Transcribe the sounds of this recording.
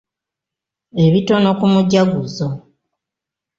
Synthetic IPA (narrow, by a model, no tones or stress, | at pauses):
e̞βito̞no̞kumuɟaɡuzo